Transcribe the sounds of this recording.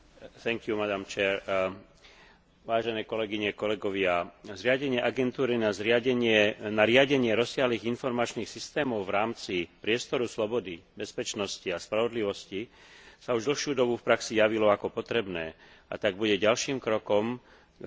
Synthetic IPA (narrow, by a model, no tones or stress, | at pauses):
θɛŋkjumad̪amt͡ʃɛːɾ | ʋaːʒɛnɛːkɔlɛɡiɲɛkɔlɛɡɔʋɪazɾɪaɟɛɲɪɛʔaɡɛnt̪uːɾinazɾɪaɟɛɲɪɛnaɾɪaɟɛɲɪɛɾɔsɪaɦliːɣinfɔɾmat͡ʃniːxsist̪ɛːmɔʊvɾaːmt͡sipɾɪɛst̪ɔɾuslɔbɔd̪ibɛspɛt͡ʃnɔsciaspɾaʋɔd̪liʋɔsci | sauʒd̪l̩ˠxʃjuːd̪ɔbufpɾaksijaʋilɔakɔpɔt̪ɾɛbnɛː | a̰t̪aɡ̚buɟɛɟalʃiːmkɾɔkɔm